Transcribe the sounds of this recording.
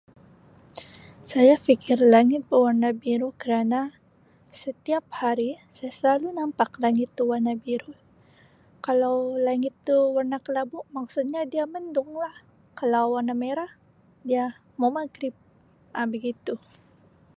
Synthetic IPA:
sajafikɪrlaŋɪt̪̚bəwarnabiɾukəɾana | sət̪iap̚haɾisajasəlalunampaklaŋɪt̪̚bəwarnabiɾu | kalawlaŋɪt̪ːuwərnakəlabumaksut̪̚ɲadiaməndʊŋlah | kalawːarnameɾah | dia | mamaɡɾɪp̚ | ʔabəɡit̪u

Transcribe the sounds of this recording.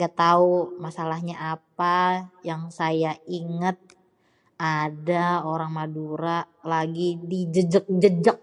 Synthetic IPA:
ɡat̪aumasalahɲaʔapajaŋsajaiŋət̪̚ | adaoɾaŋmaduɾalaɡidid͡ʒəd͡ʒək̚d͡ʒəd͡ʒək̚

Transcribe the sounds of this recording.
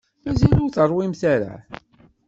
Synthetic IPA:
mæzilʊɾθəɾˤwimθæɾa̰

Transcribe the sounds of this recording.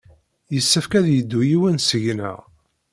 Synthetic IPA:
jəsːæfkæðjəd̪ːujiwənsəʝnæ̰ʁ

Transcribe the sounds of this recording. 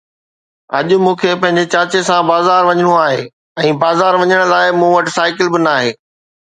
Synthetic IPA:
ɐʄʊ̆mũːkʰeːpɐ̃ɦɪ̃ɲ̆d͡ʑet͡ɕaːt͡ɕesãbaːzaːɾʋɐɲəɽ̃uaːɦeː | ɛ̃ːbaːzaːɾʋɐɲəɽ̃laːɪmũːʋɐʈɪsaːɪkɪlbɪnaːɦeː

